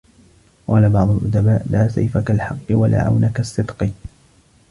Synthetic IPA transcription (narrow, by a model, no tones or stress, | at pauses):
qɑːlabɑʕd̪ˤʊlʔʊd̪abaːʔlaːsa̰jfakalħɑqːɨwalʔa̰ːʕa̰wnakasːɨd̪qɨ